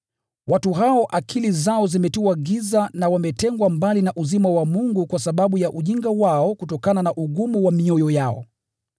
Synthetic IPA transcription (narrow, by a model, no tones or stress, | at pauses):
watuɦaɔʔakʰilizaɔzimɛtuwaɡizanawamɛtɛŋɡwambalinaʔuzimawamuŋɡukwasaɓaɓujaʔuʄiŋɡawaɔkutɔkananaʔuɡumuwamiɔjɔjaɔ̰